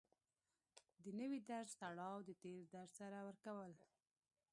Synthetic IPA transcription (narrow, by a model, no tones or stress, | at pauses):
d̪ənəwid̪aɾzt̪aɽɑwd̪ət̪eɾd̪aɾzsaɾawəɾkawəl